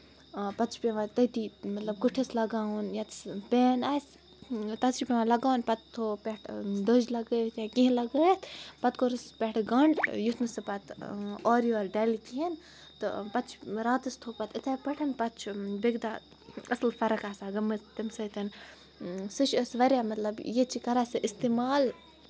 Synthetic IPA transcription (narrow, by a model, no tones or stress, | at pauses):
pɐt͡ʃʰpeʋãt̪ɐt̪imɐt̪lɐb̚ɡuʈʰislɐɡaːwunjat̪spʲeːnaːs | t̪ɐsipʲeʋãlɐɡaːwnpɐt̪ːʰoːpʲeʈʰd̪əd͡ʒlɐɡət̪jakĩɦlɐɡət̪ʰpɐt̪koɾɨspʲeʈʰɡɐɳɖjut̪ʰnɨsɨpɐt̪ʰɔːɾjoːɾɖeːlikien | t̪ɨ̰pɐt̪t͡ʃʰɾaːt̪ɨst̪ʰoːpɐt̪ʰit̪ʰaːpɐʈʰɐnpɐt̪t͡ʃʰbeɡd̪a | ɐslfɐɾɐkaːsaːɡɐmɨt̪imsɐt̪ɐn | sɨʃəsʋɐɾjamɐt̪lɐbjet͡ʃʰikɐɾasɨʔist̪eːmaːl